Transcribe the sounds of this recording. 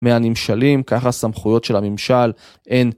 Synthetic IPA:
meanimʃalimkaχasamχujo̞tʃelamimʃal | e̞n

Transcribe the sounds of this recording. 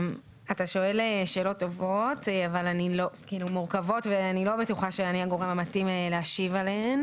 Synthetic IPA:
m | ataʃo̞e̞leʃe̞ːlo̞tːo̞vo̞tavalanilo̞kiiːlumuʁkavo̞tveanilo̞betuχaʃeaniaɡo̞ʁemamatimeleaʃivaleen

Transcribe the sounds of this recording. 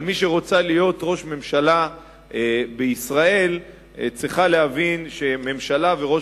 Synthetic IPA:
lmiʃeʁo̞t͡salijo̞t̪ʁo̞ʃme̞mʃala | beisʁae̞l | t͡sʁiχaleɦavinʃe̞me̞mʃalaveʁo̞

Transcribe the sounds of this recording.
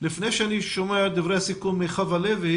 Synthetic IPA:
lifnejʃeaniʃomead̪ivʁehasikumːiχavalevi

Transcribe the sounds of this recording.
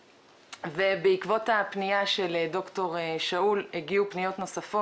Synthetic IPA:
vebeikvo̞thapnijaʃeledo̞kto̞ʁeʃauleɡiupnijo̞tno̞safo

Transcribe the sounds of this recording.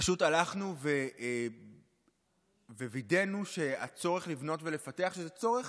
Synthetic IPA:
paʃutalaχnuve̞ | vevide̞nuʃe̞at͡so̞ʁeχlivno̞tvelefate̞aχʃezet͡so̞ʁeχ

